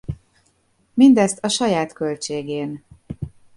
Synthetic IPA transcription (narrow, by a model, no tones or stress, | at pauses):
mind̪ɛst̪ɒʃɒjaːt̪kø̞lt͡ʃeːɡeːn